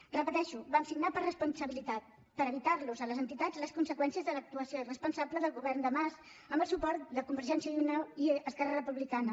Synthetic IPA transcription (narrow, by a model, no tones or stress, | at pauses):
rəpət̪ɛʃuβamsiɡnapəɾrəspunsəβilit̪at̪ | pəɾəβit̪aɾluzələzənt̪it̪ad͡zləskunsəkwɛnsiəzðələk̚t̪uəsiorəspunsabləðəlˠɣuβɛrnd̪əmaz | əmbəlˠsupɔɾt̪̚d̪əkumbəɾʒɛnsiəliunawiəskɛrərəpuβlikanə